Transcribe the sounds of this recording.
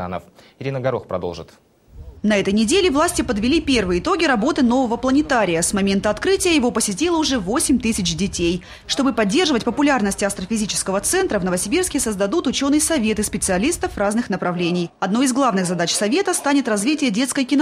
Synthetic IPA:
a̰nə̰fɪɾʲinəɡɐɾoxpɾɐ̰d̪o̰lˠʐɨ̰t̪ | nɐɛt̪əjnʲɪdʲelʲɪvlˠasʲtʲɪpəd̪vʲɪlʲipʲe̞rvɨjəɪt̪o̞ɡʲɪɾɐbo̞t̪ɨno̞vəvəplˠənʲɪt̪aɾʲɪjəsmɐmʲent̪əɐt̪kɾɨtʲɪjəjɪvo̞pəsʲɪtʲilˠəʊʐɛvo̞sʲɪmʲt̪ɨsʲɪt͡ɕdʲɪtʲej | ʂt̪o̞bɨpɐdʲːe̞rʐɨvətʲpəpʊlʲarnəsʲtʲɪɐst̪ɾəfʲɪzʲit͡ɕɪ̥skəvət̪sɛnt̪ɾəvnəvəsʲɪbʲirskʲɪsəzd̪ɐd̪ut̪ʊt͡ɕo̞nɨjəsɐvʲe̞t̪ɨspʲɪt̪sɨɐlʲist̪əfraznɨxnəpɾɐvlʲenʲɪjɐd̪nojɪzɡlˠavnɨxzɐd̪at͡ɕsɐvʲe̞t̪əst̪anʲɪt̪rɐzvʲitʲɪjədʲe̞t̪skəjkʲɪn

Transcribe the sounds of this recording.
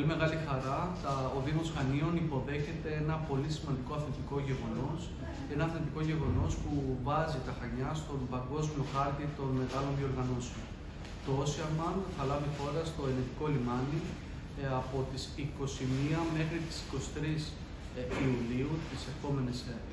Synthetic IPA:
polime̞ɣɐlixɐɾɐt̪ɐoðimosɣɐnio̞nipo̞ðe̞çe̞t̪e̞e̞nɐpo̞lisimɐnd̪iko̞ɐθend̪iko̞ʝe̞ɣo̞no̞s | e̞nɐɐθend̪iko̞ʝe̞ɣo̞no̞spuvɐzit̪ɐxɐɲɐst̪o̞mbɐŋɡo̞zmio̞xɐɾt̪it̪o̞nme̞ɣɐlo̞nðio̞ɾɣɐno̞seo̞n | t̪oosiɐmɐnθɐlɐvixo̞ɾɐst̪o̞e̞net̪iko̞limɐni | ɐpo̞t̪isiko̞simiɐme̞xɾit̪i̥si̥ko̞si̥t̪ɾis | iuliut̪ise̞ɾxo̞me̞nese

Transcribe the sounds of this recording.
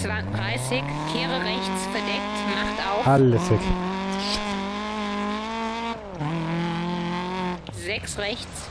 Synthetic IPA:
t͡sv̥aɪndʁaɪsɪç | kʰeːʁəʁɛçt͡sfɛɐdɛk̚tmaχtʔaʊalːəsɪç | zɛksʁɛçt͡s

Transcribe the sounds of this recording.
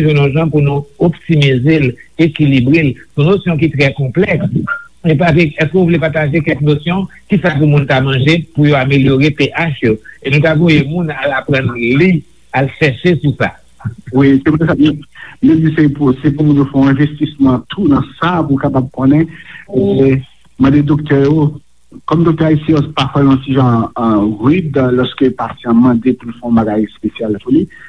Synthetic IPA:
ʒɛ̃nɔ̃ʒãpunũoptimizelekilibʁelsɔ̃nosjɔ̃k̬it̪ʁɛkɔ̃plɛksepapeɛskøuvulepat̪̬aʒekɛlknosjɔ̃ | kisap̬umũntamãʒepujoameljoʁepeʔaʃjoenũtavojemũnalapʁɐ̃nli | alʃɛʃesusa̰ | wiseput̪ɛsatm̩jed͡zisepusepumũnjofɛɔ̃ɛ̃vest̪ismɑ̃t̪ʰunɐ̃sapulkapab̚kõnɛ̃ | e | mɑ̃d̪ed̪okt̪ɛjo | kɔmd̪ok̚t̪ɛaisjɛ̃jopafɛjɔ̃siʒɑ̃ʁyd̪lɔskøpasiãmãd̪epulfɛɔ̃baɡajspesjalpuli

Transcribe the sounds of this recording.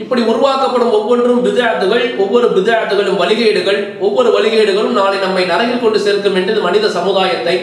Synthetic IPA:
ɪpːɐɽiʊɾɯʋaːkɐpːɐɽɯmɔʋːɔndrɯmbɪðjaːt̪ːɯɣɐɭɔʋːɔɾɯbɪðjaːt̪ːɯɣɐɭɯmʋɐlɪɣeːɽɯɣɐɭ | ɔʋːɔɾɯʋɐlɪɣeːɽɯɣɐɭɯmnaːlɐɪnɐmːɐɪnɐɾɐɣɪlkɔɳɖɯseːlkɯmɛndrɪðɯmɐnɪðɐsɐmɯðaːjɐt̪ːɐɪ

